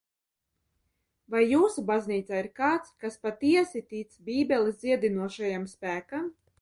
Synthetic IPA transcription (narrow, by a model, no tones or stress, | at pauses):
vajːuːsubazniːt̪saːiɾkaːt̪skaspat̪iɛsit̪it̪sbʲiːbʲɛlid̪ziɛd̪inuɔʃajamspæːkam